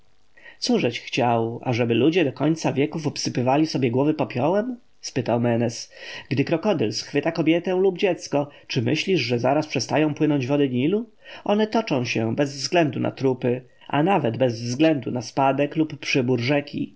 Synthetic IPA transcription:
t̪suʐɛt͡ɕxt͡ɕawa̰ʐɛbɘlud͡ʑɛd̪ɔkɔɲʲt̪savʲjɛkufupsɘpɘvalʲisɔbʲjɛɡwɔvɘpɔpʲjɔwɛm | spɘt̪awmɛnɛsɡd̪ɘkɾɔkɔd̪ɛlsxfɘt̪akɔbʲjɛt̪ɛ̃lubd͡ʑɛt̪skɔt͡ʂɘmɘɕlʲiʐʐɛzaɾaspʂɛst̪ajɔ̃w̃pwɘnɔɲd͡ʑvɔd̪ɘɲilu | ʔɔnɛt̪ɔt͡ʂɔ̃w̃ɕɛbɛzvzɡlɛnd̪unʔa̰t̪ɾupɘ | ʔa̰navɛd̪bɛzvzɡlɛnd̪unaspad̪ɛklupːʂɘbuɾʐɛkʲḭ

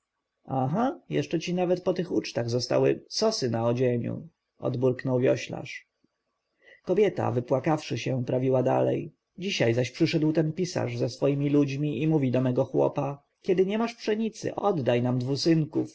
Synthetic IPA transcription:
aɦajɛ̰ʂt͡ʂɛt͡ɕinavɛt̪̚pɔt̪ɘxut͡ʂt̪aɣzɔst̪a̰wɘsɔsɘnaɔd͡ʑeɲṵ | ʔɔ̰d̪buɾknɔwvʲjɔ̰ɕla̰ʂ | kɔbʲjɛt̪a̰vɘpwakafʂɘɕɛpɾavʲiwad̪a̰lɛ̰j | d͡ʑiɕajzaɕpʂɘʂɛd̪wt̪ɛnpʲisa̰ʐzɛsfɔjimʲilud͡ʑmʲiimuvʲid̪ɔmɛɡɔxwɔ̰pa | kʲɛd̪ɘɲɛmaʂpʂɛɲit̪sɘ̰ʔɔd̪ːajnamd̪vusɘŋkuf

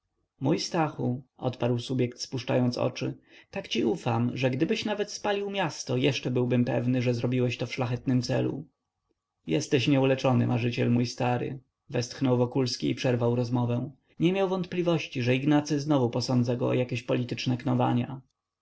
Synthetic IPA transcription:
mujst̪axuʔɔ̰t̪paɾwsubʲjɛkt̪spuʂt͡ʂa̰jɔnt̪sɔ̰t͡ʂɘ̰t̪akt͡ɕiʔufamʐɛɡd̪ɘbɘɕnavɛt̪spalʲiwmʲjast̪ɔjɛʂt͡ʂɛbɘwbɘmpɛ̰vnɘʐɛzɾɔbʲiwɛɕt̪ɔfʂlaxɛt̪nɘmt̪sɛ̰lṵ | jɛst̪ɛɕɲɛulɛt͡ʂɔnɘ̰mʔaʐɘt͡ɕɛlmujst̪aɾɘ̰ | vɛst̪xnɔwvɔkulskʲiːpʂɛɾvawɾɔzmɔvɛw̃ | ɲɛmʲjawvɔnt̪̚plʲivɔɕt͡ɕiʐɛiɡnat̪sɘznɔvupɔsɔnd̪zaɡɔɔ̰jakʲeɕpɔlʲit̪ɘt͡ʂnɛknɔva̰ɲa̰

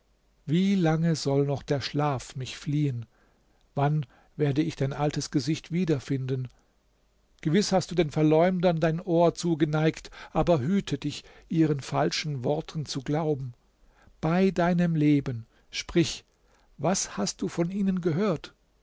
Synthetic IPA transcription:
viːlaŋəzɔlnɔχd̥eːɐʃlaːfmɪçfliːən | van | veːɐdəɪçd̥aɪnʔaltəsɡ̥əzɪçtv̥iːdɐfɪndən | ɡ̥əvɪshastd̥uːdeːnfɛɐlɔʏmdɐndaɪnʔoːɐt͡suːɡənaɪktʔaːbɐɦyːtʰədɪçʔiːʁ̞ənfalʃn̩vɔɐtʰn̩t͡suɡlaʊbm̩ | b̥aɪdaɪnəmleːbən | ʃpʁ̥ɪç | vashast̚d̥uːfɔniːnənɡəɦøːɐt

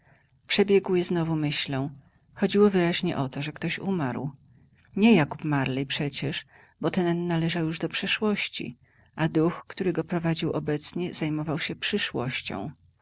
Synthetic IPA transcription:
pʂɛbʲjɛɡwjɛznɔvumɘɕlɔ̃w̃ | xɔd͡ʑiwɔvɘɾaʑɲɛ̰ʔɔt̪ɔʐɛkt̪ɔɕṵmaɾw | ɲɛjakupmaɾlɛjpʂɛt͡ɕɛʂ | bɔt̪ɛnnnalɛʐawjuʐd̪ɔpʂɛʂwɔɕt͡ɕḭ | ʔad̪uxkt̪uɾɘɡɔpɾɔvad͡ʑiwʔɔbɛt̪sɲɛz̥ajmɔvawɕɛpʂɘʂwɔɕt͡ɕɔ̰̃w̃

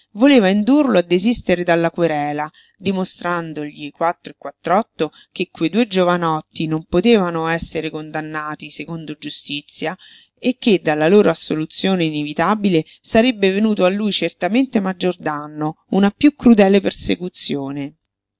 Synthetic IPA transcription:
voleːvaind̪urload̪ːezist̪eɾed̪alːakweɾɛːla | d̪imost̪ɾand̪oʎikwat̪ːɾoekːwat̪ːɾɔt̪ːo | kekːwejd̪ued͡ʒovanɔt̪ːinompot̪eːvanoɛsːeɾekond̪anːaːt̪isekond̪od͡ʒust̪it̪sːja | ekːed̪ːalːaloːɾoasːolut̪sːjoːneinevit̪abile | saɾebːevenuːt̪oalːujt͡ʃert̪ament̪emad͡ʒːord̪anːo | unapjukːɾud̪ɛːlepersekut̪sːjoːne

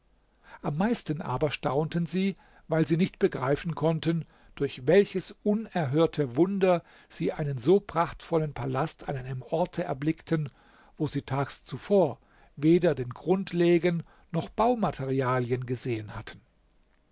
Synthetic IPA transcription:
ʔamːaɪstən̩ʔa̰ːbɐʃtaʊntənziː | vaɪlziːnɪçtb̥əɡʁaɪfn̩kʰɔntən | d̥ʊɐçvɛlçəsʔʊnɛɐɦøːɐtʰəvʊndɐ | z̥iːʔaɪnənzoːpʁ̥aχtfɔlənpʰalastʰa̰nʔaɪnəmʔɔɐtʰəɛ̰ɐblɪktʰən | voːziːtʰaːkst͡sufoːɐ | veːdɐdeːnɡʁʊntleːɡənː | ɔχb̥aʊmatʰeʁiaːljənɡəzeːənhatʰən̩

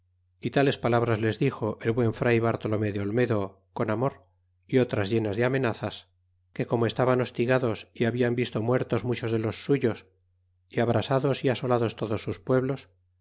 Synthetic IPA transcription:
it̪ale̞spalaβ̞ɾazle̞zðixo̞ʔelβwe̞ɱfɾajβaɾt̪o̞lo̞meðeo̞lme̞ðo̞ | ko̞namo̞ɾ | io̞t̪ɾazʝe̞nazðeamẽ̞naθas | ke̞ko̞moe̞st̪aβano̞st̪iɣaðo̞siaβiambist̪o̞mwe̞ɾt̪o̞zmut͡ʃo̞zðe̞lo̞sːuʝo̞s | iaβ̞ɾasaðo̞siaso̞laðo̞st̪o̞ðo̞sːuspwe̞βlo̞s

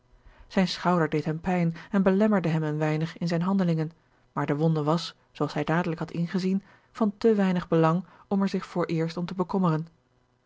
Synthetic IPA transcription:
z̥ɛjnsχɑwdəɹdejtɦɛmpɛjnɛnbəlɛməɹdəɦɛmənʋɛjnəχɪnzɛjnɦɑndəlɪŋən | maːɹdəʋɔndəʋɑs | sowɑlˠsɦɛjdaːdələkɦɑtɪnχəzin | v̥ɑntəʋɛjnəχbəlɑŋɔmɛɹzɪχfʊːɹʔɪːɹstɔmtəbəkɔmərən

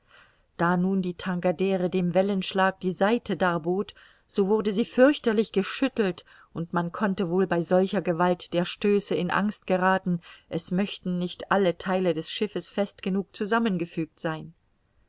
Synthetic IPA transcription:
d̥aːnuːndiːtʰaŋɡadɛːʁədeːmvɛlənʃlaːk̚d̥iːzaɪtʰədaːɐboːt | z̥oːvʊɐdəziːfʏɐçtɐlɪçɡ̥əʃʏtl̩t | ʔʊntmankʰɔntəvoːlbaɪzɔlçɐɡəvaltd̥eːɐʃtøːsəɪnʔa̰ŋst̚ɡ̥əʁaːtn̩ʔɛsmœçtn̩nɪçtʔalətʰaɪlədɛsʃɪfəsfɛstɡ̥ənuːk̚t͡suzamənɡəfyːk̚tz̥aɪn

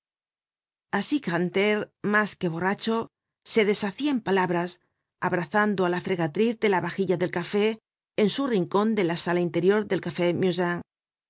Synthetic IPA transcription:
asikant̪eɾmaske̞β̞o̞rat͡ʃo̞ | se̞ðe̞saθiaempalaβɾas | aβɾaθand̪oalafɾe̞ɣat̪ɾiθðe̞laβaxiʎaðe̞lkafe̞ː | nsuriŋko̞nd̪e̞lasalaint̪e̞ɾjo̞ɾðe̞lkafe̞mjuzaŋ

